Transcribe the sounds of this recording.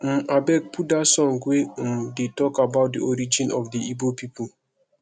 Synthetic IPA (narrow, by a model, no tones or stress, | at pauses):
m̩abɛk̚pudasɔ̃ŋɡwem̩detɔkabaʊt̚diɔɾid͡ʒĩnɔfdiibopipʰo